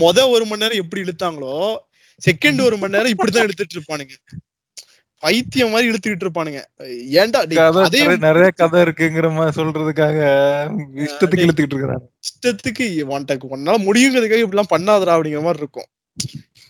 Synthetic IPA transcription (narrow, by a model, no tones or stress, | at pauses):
mɔðɐ̃ɔɾɯmɐnːeːɾɐ̃ɛp̬ːɐɽiɛɽɯt̪ːaːŋɡɐɭoː | sɛkːɐɳɖɯɔɾɯmɐnːeːɾɐ̃ɪpːɐɽit̪̬ːãːɛɽɯt̪ːɯʈːɪɾɯpːaːnɯŋɡɐ | pɐɪt̪ːɪjɐmaːɾiɛɽɯt̪ːɯkːɪʈːɪɾɯp̬ːaːnɯŋɡɐ̰eːɳɖaːɽiðɐ̃ɐðeɐnɪɾɐjɐkɐðɐɪɾɯkːɯŋɡɪɾɐmaːisɔlrɐðɯkːaːɣɐ | ɪʂɐt̪ːɯkkːɯɛɽɯt̪ːɯkːɪʈːɪɾɯkːɯt̪a̰ːn | ɪʂʈɐt̪ːɯkːɯʋɐnʈɐkːɯɔnːaːlɐmʊɽɪjɯŋɡɾɐðɯkːaːɣɐɪp̬ːɐɽɪlːãːpɐɳːaːðɐɾaːɐpːɐɽɪŋɡɪɾɐmaːɾɪɾɯkːʊ̰̃